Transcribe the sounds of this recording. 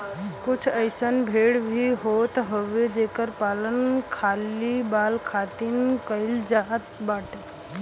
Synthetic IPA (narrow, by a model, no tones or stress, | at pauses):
kʊt͡ʃʰəɪsənbʱeːɽbʱiɦoːt̪ɦoʋed͡ʒeːkəɾpaːlənkʰaːlibaːlkʰaːt̪inkəɪld͡ʒaɦət̪baːʈe